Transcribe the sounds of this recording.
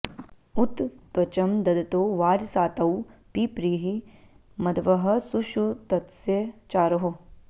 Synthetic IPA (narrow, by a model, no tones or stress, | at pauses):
ut̪t̪ʋɐt͡ʃɐmd̪ɐd̪ɐt̪oːʋaːɾsaːt̪ɐwpiːpɾiːɦi | mɐd̪ʋɐɦɐsuʃut̪ɐt̪set͡ʃaːɾɐɦo